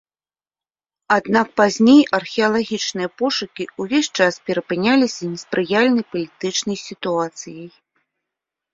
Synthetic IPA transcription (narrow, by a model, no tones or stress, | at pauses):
ad̪nak̚pazʲnʲejɐrxʲɛɐlˠaɣʲit͡ʂnɨjɐpɔʂukʲiuvʲesʲt͡ʂaspʲɛɾɐpɨnʲalʲisʲɐnʲɛspɾɨjalʲnɐjpɐlʲit̪ɨt͡ʂnɐjsʲit̪uat̪sɨjɐj